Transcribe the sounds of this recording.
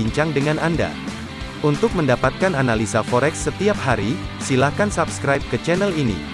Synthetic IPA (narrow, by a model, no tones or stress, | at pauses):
iɲt͡ʃaŋdəŋananda̰ | unt̪ʊk̚məndapat̪̚kananalisafɔɾɛksːət̪iap̚haɾi | silakansapskɾajp̚kət͡ʃɛnəlinḭ